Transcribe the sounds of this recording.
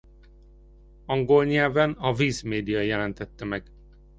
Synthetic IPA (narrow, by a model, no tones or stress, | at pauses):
ɒŋɡolɲɛlvɛnɒviːzmeːd̪ijɒjɛlɛnt̪ɛt̪ːɛmɛɡ